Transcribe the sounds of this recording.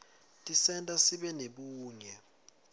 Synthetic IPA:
tʼisɛntʼasiɓɛneɓuːɲɛ

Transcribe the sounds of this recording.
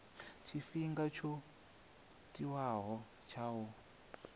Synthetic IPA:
t͡ʃʰifiŋɡat͡ʃʰo | tiwaɦɔ | t͡ʃʰawɔ

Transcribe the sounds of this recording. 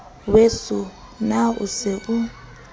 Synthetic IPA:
wesu | naṵsɪbu

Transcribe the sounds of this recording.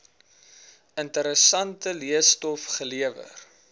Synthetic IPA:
əntəɾəsɐntəliəstɔfχəliəvə̰r

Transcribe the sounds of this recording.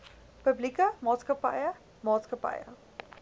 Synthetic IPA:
pəblikəmɑːtskəpɐ̰jə | mɑːtskəpɐ̰jə̰

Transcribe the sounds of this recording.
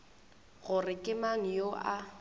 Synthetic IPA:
ɣʊrɪkʼɪmaŋ̩joʔa

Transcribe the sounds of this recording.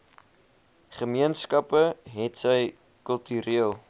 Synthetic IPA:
χəmiənskɐpəɦɛtsəj | kəlˠtyɾiəlˠ

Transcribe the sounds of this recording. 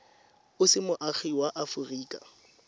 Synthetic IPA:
ʊsɪmʊʔaχiwaʔafʊriːkʼa̰

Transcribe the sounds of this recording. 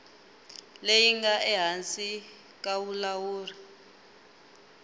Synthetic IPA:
lejiŋɡaʔɛɦant͡sʼi | k̬ʼawulawuːri

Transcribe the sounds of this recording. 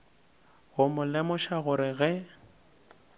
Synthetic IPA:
ɣʊmʊlɛmɔʃaɣʊɾɪɣɛ

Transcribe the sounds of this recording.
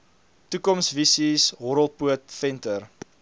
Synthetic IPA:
tukɔmsvisisɦɔɾəlˠpuətfɛntər

